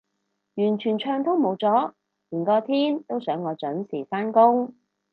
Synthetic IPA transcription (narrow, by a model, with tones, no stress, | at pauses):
jyː˨˩nt͡ʃʰyː˨˩nt͡ʃʰœː˧ŋt̪ʰʊ˥ŋmo˨˧wt͡sɔː˨˥ | liː˨˩nkɔː˧t̪ʰiː˥nt̪o˥wsœː˨˥ŋːɔː˨˧t͡ʃɵ˨˥nsiː˨˩faː˥nkʊ˥ŋ